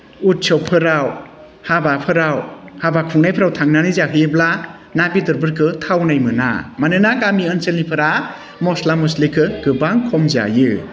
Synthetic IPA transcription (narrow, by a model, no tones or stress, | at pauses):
ut̚t͡ʃʰɔwpʰɯɾaw | habapʰɯɾawhabakʰuŋnajpʰɾawtʰaŋnanizaɦɯjebla | nabidɯɾbɯɾkʰɯtʰawnajmɯna̰manɯnakamiɯnselnipʰɯɾa | mɔslamɯslikʰɯɡɯbaŋkʰɔmza̰jɯ